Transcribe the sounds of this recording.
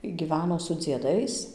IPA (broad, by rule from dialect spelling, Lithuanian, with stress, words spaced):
iː ɡʲiːˈʋʲæːnoː sʊ d͡zʲiɛˈdɐɪs